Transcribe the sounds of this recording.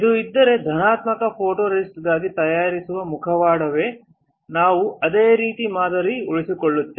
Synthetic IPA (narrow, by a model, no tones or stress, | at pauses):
id̪uid̪ːɐɾe̞d̪ʱɐnaːt̪mɐkɐpʰo̞ːʈoːɾesʈd̪aːɡit̪ɐjaːɾisuʋɐmukʰɐʋaːɽɐʋe̞ː | naːʋuʔɐd̪eːɾiːt̪imaːd̪ɐɾiuɭisikoɭːut̪ːe